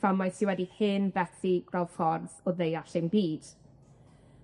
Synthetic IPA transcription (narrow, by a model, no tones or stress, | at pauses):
vamajsɪwɛdihɨnvɛθiɡ̥ralˠfɔrðɔðejaɬenbiːd̥